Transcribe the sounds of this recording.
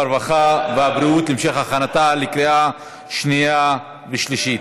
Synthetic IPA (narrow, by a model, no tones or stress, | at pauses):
ɾvaχaveabɾiut̪limʃeχaχanat̪alikɾea | ʃnija | veʃliʃit